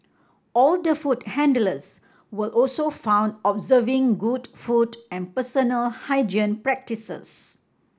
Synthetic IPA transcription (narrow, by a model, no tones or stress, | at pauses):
ɔld̪əfuthɛ̃ndələs | wəʔɔlsofãʊ̃ndɔbzəvɪ̃ŋɡudfudɛ̃npəsənəlhaɪd͡ʒə̃npɹɛk̚tisə̰s